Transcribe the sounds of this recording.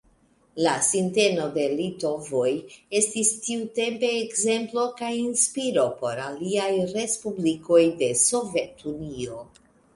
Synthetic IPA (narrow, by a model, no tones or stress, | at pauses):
lasinte̞no̞de̞lito̞voje̞stistiute̞mpe̞ːkze̞mplo̞kajinspiɾo̞po̞ɾaliajɾe̞spubliko̞jde̞so̞ve̞tunio̞